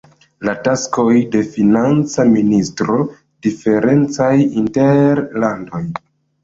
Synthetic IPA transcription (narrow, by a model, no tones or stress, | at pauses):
latasko̞jde̞finant͡saministɾo̞ | d̥ife̞ɾe̞nt͡sajinte̞ɾlando̞j